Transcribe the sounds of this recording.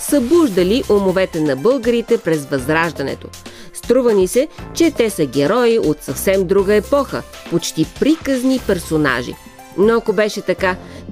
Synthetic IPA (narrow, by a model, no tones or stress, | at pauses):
səbuʒd̪əliʔomovɛt̪ɛnɐbɤlˠɡəɾit̪ɛpɾɛzvɐzɡɾaʒd̪ɐnɛ̰t̪o̰ | st̪ɾuvənisɛt͡ʃɛt̪ɛsəɡʲɛɾɔiot̪sɐfsɛmd̪ɾuɡəɛpɔxə̰ | pot͡ʃt̪ipɾikəznipɛɾsona̰ʒḭ | noɐkobɛʃɛt̪ɐka